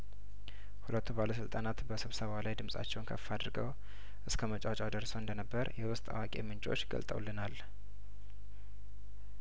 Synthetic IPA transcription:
hulət̪ʰːubaləsɨlt̪ʼanat̪bəsɨβsəβalajd̪ɨmsʼa̰t͡ʃːɛwnkʰə̰fːad̪ɾɡəw | ʔɨskʰəmət͡ʃʼawt͡ʃʼad̪əɾsəwɨnd̪ənəbːəɾjɛwʊst̪ʼa̰wakʼe̞̰mɨnt͡ʃʼo̞̰t͡ʃːɡə̰lt̪ʼə̰wlːɨnal

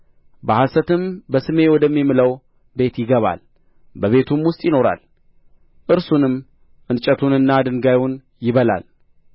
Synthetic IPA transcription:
bəhasət̪ɨmbəsɨme̞wɔd̪əmːimɨləw | be̞t̪jɪɡəβa̰l | bəβe̞t̪ʰumwʊst̪ʼjɪno̞ɾa̰l | ʔɨɾsunɨm | ʔɨnt͡ʃʼət̪ʰunɨnːad̪ɨŋɡajun | jɪβəla̰l

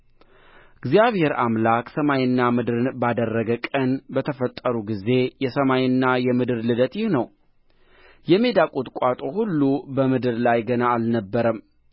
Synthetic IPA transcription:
ɨɡzijaβhe̞ɾamlakʼsəmajɨnːamɨd̪ɨɾɨnbad̪ərːəɡəkʼənbət̪ʰəfət̪ʼːəɾuɡize̞jɛsəmajɨnːajɛmɨd̪ɨɾlɨd̪ət̪jɪhnəw | jɛme̞d̪akʼut̪kʷʼat̪ʼo̞hulːubəmɨd̪ɨɾlajɡənaːlnəbːəɾəm

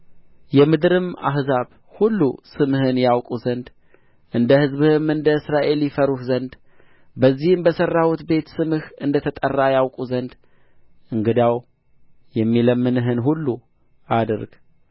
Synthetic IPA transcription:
jɛmɨd̪ɾɨma̰ɦhzaβ | hulːusɨmɨhɨnjawkʼuzənd̪ | ʔɨnd̪əhɨzβɨhɨmɨnd̪əɨsɾaʔe̞ljifəɾuhzənd̪ | bəzːihɨmbəsərːawut̪be̞t̪sɨmɨhɨnd̪ət̪ʰət̪ʼərːajawkʼuzənd̪ | ɨŋɡɨd̪aw | jɛmːiləmːɨnɨɦɨnɦulːu | ʔad̪ɾɡ

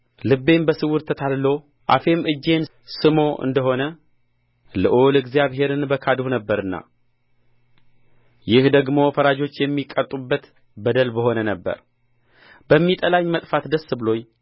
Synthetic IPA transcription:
lɨbːe̞mbəsɨwʊɾt̪ʰət̪ʰallo̞ | ʔafe̞mʔɨd͡ʒːe̞n | sɨmo̞ʔɨ̰nd̪əɦo̞nə | lɨʔolɨɡzijaβɦe̞ɾɨnbəkʰad̪uhnəbːəɾɨnːa̰ | jɪhd̪əɡmo̞fəɾad͡ʒo̞t͡ʃːjɛmːikʼːət̪ʼːubːət̪ | bəd̪əlbəɦo̞nənəbːə̰ɾ | bəmːit̪ʼəlaɲmət̪ʼfat̪d̪əsːɨbɨlo̞ɲː

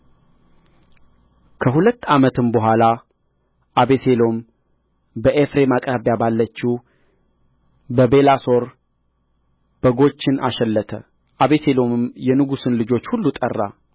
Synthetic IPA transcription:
kʰəɦulət̪ːamət̪ɨmbəɦʷala | ʔaβe̞se̞lo̞m | bəʔefɾe̞makʼɾaβjabalːət͡ʃːi | bəbe̞laso̞ɾ | b̥əɡo̞t͡ʃːɪnaʃɛlːət̪ʰə̰ | ʔaβe̞se̞lo̞mɨmjɛnɨɡusɨnlɨd͡ʒo̞t͡ʃːhulːut̪ʼə̰rːa̰

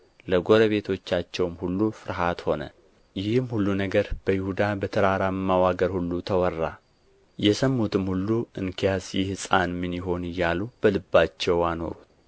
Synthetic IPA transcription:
ləɡo̞ɾəβe̞t̪ʰo̞t͡ʃːat͡ʃːɛwmhulːufɨɾɦat̪ho̞nə̰ | jɪhmhulːunəɡəɾb̥əjɪhud̪abət̪ʰəɾaɾamːawaɡəɾhulːut̪ʰəwɔrːa̰ | jɛsəmːut̪ɨmhulːuɨŋkʰijasjɪhsʼanmɨnɪɦo̞nɨjːalub̥əlɨbːat͡ʃːɛwano̞̰ɾut̪

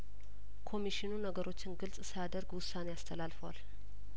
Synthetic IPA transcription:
kʰo̞miʃinunəɡəɾo̞t͡ʃːɪnɡɨlsʼsəjad̪əɾɡwʊsːaneast̪ʰəlalfəwa̰l

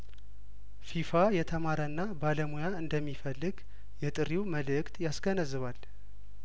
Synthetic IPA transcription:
fifajɛt̪ʰəmaɾənːabaləmujaɨnd̪əmːifəlːɨɡ | jɛt̪ʼɨɾiwməlɨkt̪jasɡənəzɨβal

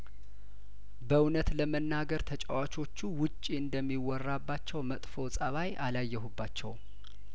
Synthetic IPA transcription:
bəwnət̪ləmənːaɡəɾt̪ʰət͡ʃʼəwat͡ʃʰo̞t͡ʃːuwʊt͡ʃʼːiɨnd̪əmːiwɔrːabːat͡ʃːɛwmət̪ʼfo̞sʼəβajʔalajːɛɦubːat͡ʃːɛw

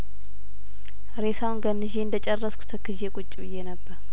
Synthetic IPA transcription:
ɾesawnɡənːɨʒeɨnd̪ət͡ʃʼɛrːəskʷu̥t̪ʰəkʰːɨʒekʼut͡ʃʼːibɨjːenəbːəɾ

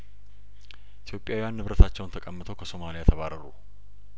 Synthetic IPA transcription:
ʔit̪ʰjo̞pʼjawijanːɨβɾət̪ʰat͡ʃːɛwnt̪ʰəkʼəmːɨt̪ʰo̞wkʰəso̞malijat̪ʰəβaɾəɾṵ

